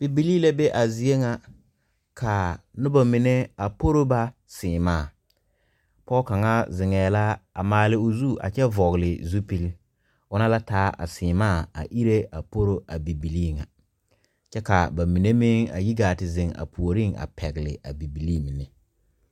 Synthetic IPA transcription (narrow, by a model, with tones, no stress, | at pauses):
b̥i˨bi˨liː˦la˦be˦ʔa˨zi˨e˦ŋa˨ | ka˨nʊ˦ba˨mɪ˨ne˦a˨po˦ɾo˦ba˦ | sɪː˨maː˦˨ | pɔ˦ka˨ŋa˦zɪ˨ŋɛː˨la˦a˨maː˨lɪ˨ʊ˨zu˦ʔa̰˨t͡ʃɛ˦vɔ˨ɣlɪ˨zu˦pi˦l | ʊ˦na˦la˦taː˦ʔa̰˨sɪː˨maː˦˨a̰˨ʔi˦ɾe˦a˨po˦ɾo˦ʔa˨bi˨bi˨liː˦˨ŋa˨ | t͡ʃɛ˦ka˨ba˨mi˨ne˦mɪ˦ŋa̰˨ji˦ɡaː˨tɪ˨zɪ˨ŋa̰˨pʰu˨o˨ɾi˦˨ŋa̰˨pʰɛ˨ɡɪ˨lɪ̰˨ʔa̰˨bi˨bi˨liː˦˨mɪ˨nɪ˨